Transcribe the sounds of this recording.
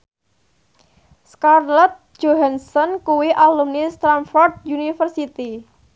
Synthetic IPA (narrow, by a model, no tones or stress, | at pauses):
skarlɛt̪̚ | d͡ʒ̥oɦansɔnkuwiʔalumnist̪ɾamfɔrt̪̚junifərsit̪i